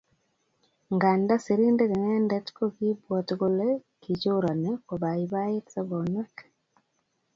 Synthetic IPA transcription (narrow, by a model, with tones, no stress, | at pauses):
ŋɡa˨nda˦si˨ɾi˦nde˦ke˨ŋɛ˦ndɛ˦tko˦ki˦bwɔ˨tɡo˦le˦ | ki˨t͡ʃo˦ɾa˨nɛ˦ko˨ba˨i˨ba˦e˦tsa˦bɔ˨nɛ˦k